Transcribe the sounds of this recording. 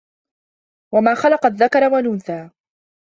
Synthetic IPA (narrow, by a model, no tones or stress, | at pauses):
wamaːxɑlɑqɑðːakɑɾˤwalʊnθaː